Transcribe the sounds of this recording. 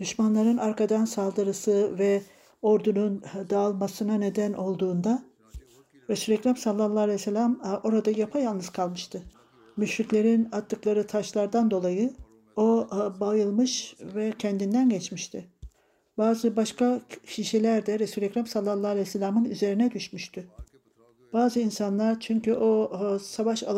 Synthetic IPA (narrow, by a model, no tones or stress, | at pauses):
d̪̥yʃmanlˠaɾɯnaɾkʰad̪ansalˠd̪ɯɾɯsɯvɛ | o̞ɾd̪unund̪aːlˠmasɯnane̞d̪ænʔo̞lˠd̪uːnd̪a | ɾesylʲɛcɾamsalˠːalˠːalʲɛselʲamʔo̞ɾad̪ajapʰajalˠnɯz̥kʰalˠmɯʃt̪ʰɯ | myʃɾiclʲe̞ɾinat̪ʰːɯklˠaɾɯt̪ʰaʃlˠaɾd̪and̪o̞lˠajɯ | obajɯlˠmɯʃvɛcʰɛnd̪ind̪ænɟɛt͡ʃmiʃt̪ʰiɪ | baːzɯbaʃkacʰiʃelʲæɾd̪ɛɾesylʲɛcɾamsalˠːalˠːaalʲɛselʲamɯny̰ze̞ɾinɛd̪yʃmyʃt̪ʰy | b̥aːzɯinsanlˠaɾt͡ʃʰyɲcʰyʔo̞savaʃa̰